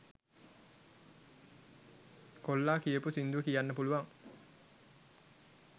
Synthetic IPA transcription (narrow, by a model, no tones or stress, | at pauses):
kolːaːkijəpusind̪uʋəkijanːəpuluʋaŋ